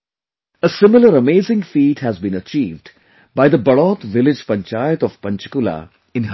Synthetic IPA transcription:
əsɪ̃mɪləɾəmeːzɪ̃ŋfiːʈhæzbĩːnət͡ʃiːʋɖ | baɪd̪əbəɭɔːt̪ʋɪlɪd͡ʒpɐ̃nt͡ʃaːjət̪ɔʋpɐ̃nt͡ʃɪ̥kula̰ | ɪ̃nɦ

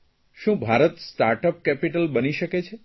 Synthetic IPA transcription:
ʃũbʱaɾət̪sʈaɾʈəp̚kɛpiʈəlbəniʃəket͡ʃʰe

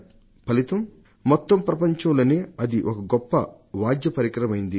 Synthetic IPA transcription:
pɐlit̪ɐm | mɔt̪ːɐmpɾɐpɐɲt͡ʃɐmloːneːɐd̪iʔɔkɐɡɔpːɐ̰ | ʋaːd͡ʒ̪jɐpɐɾikɾɐmɐjind̪i

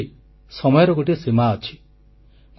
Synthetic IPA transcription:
i | sɔmɔjɔɾɔɡoʈisemaɔt͡ʃʰi̥

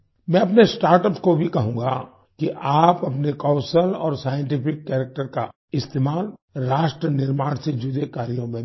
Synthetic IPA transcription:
mɛ̃ɐpnesʈaːɾʈəpskobʱikɐɦũːŋɡa | kiʔaːpɐpnekɔːʊsəlɔːɾsaːjə̃ɳʈɪpʰɪkːɛːɾək̚ʈəɾka | ɪst̪eːmaːlɾaːʃʈɾənɪɾmaːɽ̃sed͡ʒʊd̪ekaːɾijõmẽ

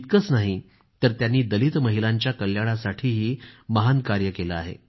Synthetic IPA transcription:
t̪̚kəsnaɦi | t̪əɾt̪janːiːd̪əlit̪məɦilaɲt͡ɕjakəljaɽ̃asaʈʰiːɦiːməɦankaɾjəkeləaɦḛ

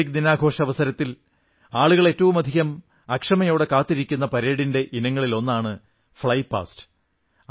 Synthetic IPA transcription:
ik̚d̪inaːɡʱo̞ːʂɐɐʋɐsɐɾɐt̪ːil | aːɭuɣɐɭe̞ːtːɐʋumɐd̪ʱiɣɐm | ɐkʂɐmɐjo̞ːɽe̞kaːt̪ːiɾikʲːunːɐpɐɾeːɽinde̞ʔinɐŋːɐɭilo̞nːaːɳɨ | fɭɐjpːa̰ːstɨ̥

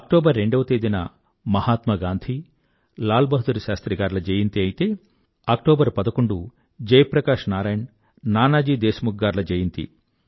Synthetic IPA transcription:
ɐk̚ʈoːbɐɾːe̞ɳɖɐʋɐt̪eːd̪inɐ̰ | mɐhaːt̪mɐɡaːnd̪ʱi | laːlbɐɦɐd̪uɾuʃaːst̪ɾiɡaːɾlɐd͡ʒejint̪iɐjit̪eː | ɐk̚ʈoːbɐɾpɐd̪ɐkoɳɖu | d͡ʒɐjpɾɐkaːʂnaːɾaːjɳ | naːnaːd͡ʒiːd̪eːsɐmuɡːaːɾlɐd͡ʒejint̪ḭ

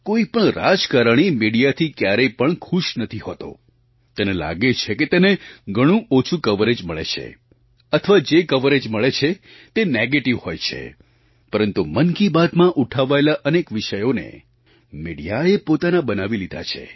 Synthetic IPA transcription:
koipəɳɾad͡ʒkaɾəɳ̃imiɽijat̪ʰikjaɾepəɳkʰuʃnət̪ʰiɦo̰t̪o̰ | t̪enela̰ɡet͡ʃʰeket̪eneɡʱəɽ̃ũot͡ʃʰũkəʋəɾed͡ʒməɭḛt͡ʃʰḛ | ət̪ʰəʋad͡ʒekəʋəɾed͡ʒməɭet͡ʃʰe | t̪eneɡeʈiʋhojt͡ʃʰḛ | pəɾənt̪umənkibad̪mãʔuʈʰaʋaelaʔənekʋɪʃəjonḛ | miɽijaepot̪anabənaʋilid̪ʱa̰t͡ʃʰḛ

